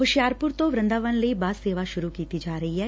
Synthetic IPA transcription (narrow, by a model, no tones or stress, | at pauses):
ɦʊʃjaːɾpʊɾt̪oʋɾɐ̃nd̪aːʋənlɐibaːseːʋaʃʊɾukiːt̪id͡ʒaːɾɐɦiɦɛː